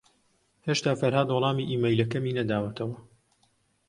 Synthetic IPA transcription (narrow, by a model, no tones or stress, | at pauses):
heːʃt̪aːfɐɾhaːd̪wɔlˠɑːmiːʔiːmejlɐkɐmiːnɐd̪aːwɐt̪ʰɐwɐ